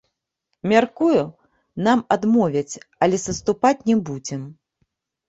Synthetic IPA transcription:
mʲarkuju | namad̪mɔvʲɐt͡sʲɐlʲɛsɐst̪upat͡sʲnʲɛbud͡zʲɛm

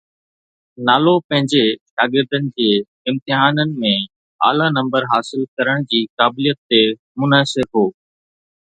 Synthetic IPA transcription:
naːlopɐ̃ɦɪ̃ɲd͡ʑeʃaːɡɪɾd̪ənɪ̆d͡ʑeː | ɪ̃mt̪ɪɦaːnənɪ̆mẽ | a̰ːlanɐ̃mbəɾɦaːsɪlkɐɾəɽ̃d͡ʑiːkaːbɪlijət̪ːe | mʊnaːsɪɾɦoː

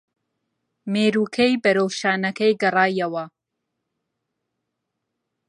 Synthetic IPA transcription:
meːɾuːkʰejbɐɾowʃaːnɐkɐjɡɨrˤɑːjɐwɐ

